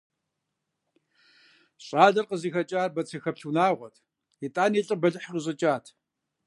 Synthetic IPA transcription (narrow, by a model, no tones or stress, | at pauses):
ɕʼaːɮɐrqəziːxɐt͡ʃʼaːrbɐt͡sʰɐxɐpɬunaːʁʷɔtʰ | itʼaːniːɬʼɨbɐɮɨħəqəɕ̬ʼɐt͡ʃʼaːtʰ